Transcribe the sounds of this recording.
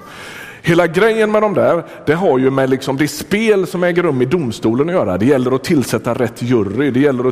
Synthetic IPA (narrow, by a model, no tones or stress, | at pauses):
heːlaɡɾɛjːənmɛd̪ɔmd̪æːɾ | d̪̥ɛɦaɾjɵmɛlɪksɔmd̪ɛspeːlsɔmɛːɡəɾɵmːɪd̪ʊmst̪uːlənɔjœːɾa̰d̪ɛjɛlːəɾɔt̪ʰɪlsɛt̪ːaɾɛt̪ʰːjɵrːɪd̪ɛjɛlːəɾɔ